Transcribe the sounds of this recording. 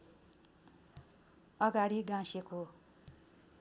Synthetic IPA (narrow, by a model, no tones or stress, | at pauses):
ʌɡaɽiɡãseko